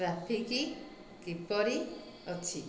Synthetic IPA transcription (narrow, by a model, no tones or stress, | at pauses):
ɾapʰiki | kipɔɾi | ɔt͡ʃʰi